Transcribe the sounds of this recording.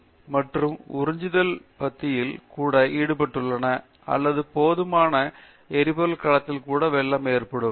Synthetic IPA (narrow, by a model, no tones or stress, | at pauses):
mɐʈrɯmʊ̰ɾɪɲd͡ʒɪðɐlpɐt̪ːɪjɪlkuːɽɐʔiːɽɯpɐʈːɯɭːɐnɐ | ɐ̰lːɐðɯpoːðɯmaːnɐ | ɛɾɪbɐlkɐɭɐt̪ːɪlkuːɽɐʋɛɭːɐmeːrpɐɽɯm